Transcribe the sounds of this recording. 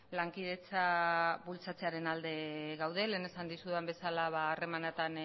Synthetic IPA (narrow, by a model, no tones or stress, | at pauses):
laŋkið̞e̞t͡saβult͡sat͡se̞aɾe̞nald̪e̞ɣawðe̞leːne̞sand̪isuðambe̞salaβaːre̞manat̪an